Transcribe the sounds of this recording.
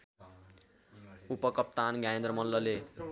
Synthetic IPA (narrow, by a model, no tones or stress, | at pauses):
upʌkʌp̚t̪anɡaẽnd̪rʌmʌlːʌle